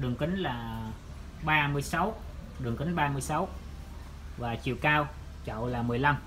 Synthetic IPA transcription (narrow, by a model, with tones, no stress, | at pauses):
ɗɨ˨˩əŋkï˨˦ŋ̟laː˨˩ | ɓaː˧mɨ˧əjsa˨˦w | ɗɨ˨˩əŋkï˨˦ŋ̟ɓaː˧mɨ˧əjsa˨˦w | vaː˨˩t͡ɕḭ˧˨əwkaː˧w | t͡ɕɔ̰˧˨laː˨˩mɨ˨˩əjla˧m